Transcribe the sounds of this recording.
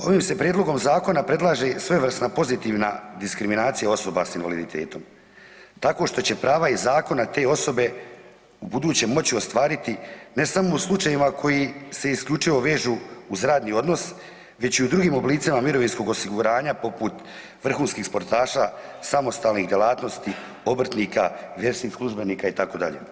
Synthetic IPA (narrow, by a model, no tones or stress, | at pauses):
o̞ʋiːmse̞pɾjed̪loɡo̞mzaːko̞napɾe̞d̪lˠaʒe̞sʋe̞ʋr̩st̪napo̞zit̪iːʋna̰d̪iskɾiminaːt̪sijao̞so̞ba̰sinʋa̰lid̪it̪ʰe̞̰ːt̪o̞m | t̪ako̞ːʃt̪o̞t͡ɕe̞pɾaːʋaizaːko̞nat̪e̞ːo̞so̞be̞ | ubud̪uːt͡ɕe̞mːo̞t͡ɕio̞st̪ʋaːɾit̪ine̞samo̞uslˠut͡ʃajimakʰo̞jise̞iskʎʲut͡ʂiʋo̞ʋe̞ːʒuːuzɾaːd̪nio̞d̪no̞s | ʋe̞t͡ɕiud̪ɾuɡiːmo̞bliːt̪simamiɾo̞ʋinsko̞ɡo̞siɡuɾaːɲapo̞put̪ | ʋr̩xuːnskiːxspo̞ɾt̪aːʃasamo̞st̪aːlnixd̪jelˠaːt̪no̞st̪i | o̞br̩t̪niːkaʋje̞ɾsniːxslˠuʒbe̞niːkait̪ako̞ːd̪a̰ʎḛ